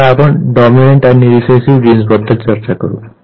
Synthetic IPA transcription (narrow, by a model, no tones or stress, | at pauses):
apɔnɖɔmineɳʈaniɾisesibɡinsbɔd̪ʱːɔlt͡sɔɾt͡sakɔ̰ɾṵ